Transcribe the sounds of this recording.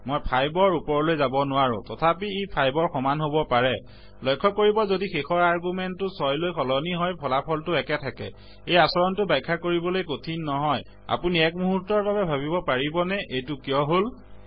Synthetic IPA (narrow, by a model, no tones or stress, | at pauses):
mojpʰajbɔɹupɔɹlojzabɔnʊaɹʊ̰̃tɔtʰapiejpʰajbɔɹxɔmanɦobɔpaɹɛ | lɔjkʰːɔkoɹibɔzodixexɔɹaɹɡumɛntːʊsɔjlojkʰɔlɔniɦɔjpʰɔlapʰɔltʊɛkɛtʰakɛ̰ | ejasɔɹɔntʊbajkʰːakoɹibɔlojkotʰinːɔɦɔj | a̰puniɛk̚muɦutːɔɹbabɛbʱabibɔpaɹibɔnɛʔejtʊkijɔɦol